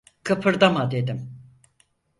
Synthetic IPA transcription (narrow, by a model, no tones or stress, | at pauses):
kʰɯpʰɯɾd̪amad̪e̞d̪im